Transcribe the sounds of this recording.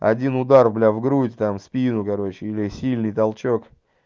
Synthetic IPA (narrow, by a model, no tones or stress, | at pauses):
ɐ̰dʲinʊd̪arblʲavɡɾutʲt̪amspʲinʊkɐɾo̞t͡ɕɪilʲɪsʲilʲnɨjt̪ɐlˠt͡ɕok